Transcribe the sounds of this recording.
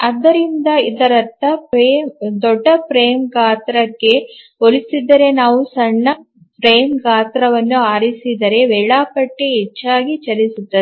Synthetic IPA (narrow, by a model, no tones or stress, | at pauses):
ɐd̪ɐɾind̪ɐid̪ɐɾɐt̪ːɐpɾeːmd̪ɔɖːɐpɾeːmɡaːt̪ɾɐkːe̞ | oɾisid̪ːɐɾe̞naːʋusɐɳːɐ | pɾeːmɡaːt̪ɾɐʋɐnːuaːɾisid̪ɐɾe̞ʋɛːɭaːpɐʈːeɦɛt͡ʃːaːɡit͡ʃɐɾisut̪ːɐe